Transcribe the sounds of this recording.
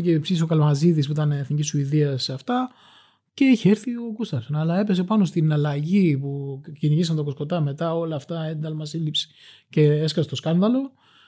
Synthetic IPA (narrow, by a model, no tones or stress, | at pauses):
cepsiis̬o̞kɐlomɐziðispuit̪ɐneːθnicisuiðiɐsɐft̪ɐ | ce̞içeeɾθio̞kust̪ɐsonɐlɐe̞pe̞se̞pɐno̞st̪inɐlɐʝipuciniʝisɐnt̪oko̞sko̞t̪ɐme̞t̪ɐo̞lɐːft̪ɐend̪ɐlmɐsilipsi̥ce̞eskɐset̪o̞skɐnðɐlo̞